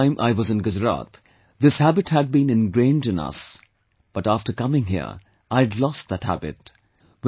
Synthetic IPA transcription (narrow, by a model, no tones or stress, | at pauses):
ɪ̃mʔa̰ɪwʌzɨ̃nɡʊd͡ʒɹa̰t̪ | ðɪshæbɨthɨd̚bĩnɨ̃nɡɹẽɪ̃ndɨ̃nʌ̰s | b̥ʌtæftə˞kʌmɪ̃ŋɦḭə̰ɹ | ʔaɪdlɔst̪̚ðɨt̚hæ̰bɨ̰t̚ | w